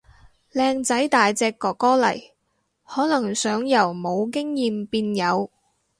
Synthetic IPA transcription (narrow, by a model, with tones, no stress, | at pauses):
lɛː˧ŋt͡sɐ˨˥jt̪aː˨jt͡sɛː˧kːɔː˨kːɔː˥lɐ̰˨˩j | hɔː˨˥lɐ˨˩ŋsœː˨˥ŋjɐ˨˩wmo˨˧wkɪ˥ŋjiː˨mpiː˧njɐ˨˧w